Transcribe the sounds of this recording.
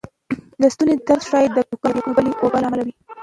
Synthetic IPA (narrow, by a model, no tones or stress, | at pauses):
d̪əst̪uned̪aɾzʃɑjad̪əkukɑɾakobəliʔobalamalawi